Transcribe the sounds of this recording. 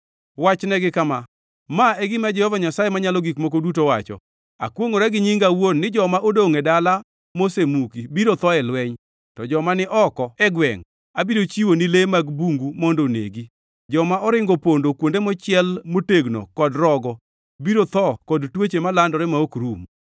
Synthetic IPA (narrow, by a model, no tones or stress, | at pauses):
wat͡ʃnɛɡɪkama | maɛɡɪmad͡ʒɛhɔvaɲasajemaɲalɔɡikmok̬odutowat͡ʃɔ̰ | a̰kwoŋoɾɛɡɪɲiŋɡawonːɪd͡ʒɔmaʔodoŋɛdala | mosemukibiɾot̪ɔɛlwɛɲ | tɔd͡ʒɔmanɪʔɔkɔɛɡwɛ̰ŋ | abiɾot͡ʃiwonɪlemaɡbuŋɡumondonḛɡi | d͡ʒɔmaʔɔɾɪŋɡopondokwondemɔt͡ʃɪɛlmoteɡno̰kɔdɾɔɡɔ | biɾot̪ɔkɔdtwet͡ʃemalandɔɾɛmaokɾum